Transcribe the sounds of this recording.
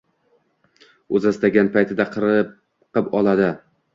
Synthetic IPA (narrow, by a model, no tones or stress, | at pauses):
ɵzast̪aɡʲanpʰajt̪ʰɪd̪aqʰɨɾɨ | qɨpɒlˠad̪ɪ